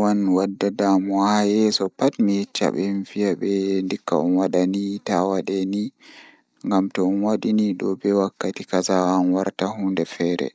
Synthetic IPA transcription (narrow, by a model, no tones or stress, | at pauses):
wanwadːadamɔajɛsɔpatmijɛt͡ʃːa̰ɓɛnfijaɓɛndikːa̰ɔ̰nwaɗanitawaɗɛni | ŋɡamtɔnwaɗiniɗɔbɛwakːatikasawanwaɾtahundɛfɛːɾɛ̰